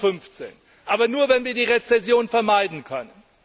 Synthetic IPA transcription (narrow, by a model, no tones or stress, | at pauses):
fʏnft͡sḛːn | ʔaːbɐnuːɐvɛnviːɐdiːʁet͡sɛsjoːnfɛɐmaɪdn̩kʰœnən